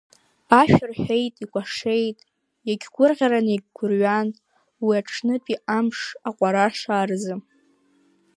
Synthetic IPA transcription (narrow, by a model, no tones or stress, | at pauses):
aʃᶣɪrħᶣejtʼikʷʼaʂe̞jtʼ | jaɡʲɡʷʊrʁʲaɾaneɡʲɡʷʊrɥan | wiaʈ͡ʂʰnɨpʼiamʂaqʷʼaɾaʂaːrzɨm